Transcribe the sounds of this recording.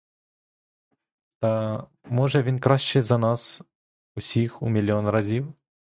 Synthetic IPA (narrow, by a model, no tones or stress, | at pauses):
t̪ɐ | mɔʐɐvʲinkɾaɕt͡ʃɛzɐnas | usʲixṵmʲilʲiɔnɾazʲiw